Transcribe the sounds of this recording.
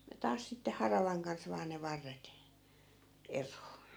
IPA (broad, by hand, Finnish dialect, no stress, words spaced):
jɑ tɑːs sitːe hɑrɑʋɑŋ kɑns ʋɑː ne ʋɑrːet erˑoː